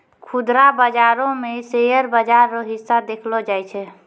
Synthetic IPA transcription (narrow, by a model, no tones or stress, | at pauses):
kʰʊd̪ɾabəd͡ʒaɾõmẽsejəɾbəd͡ʒaɾoɦɪsːad̪ekʰlod͡ʒajt͡ʃʰɛ